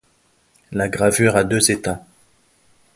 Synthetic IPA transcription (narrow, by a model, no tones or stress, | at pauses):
laɡʁavyʁad̪øzet̪a